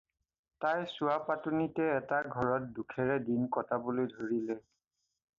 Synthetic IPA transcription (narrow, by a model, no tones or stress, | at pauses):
tajsuapatunitɛːtaɡʱɔɹɔt̚dukʰɛɹɛdinkɔtabolojdʱoɹilɛ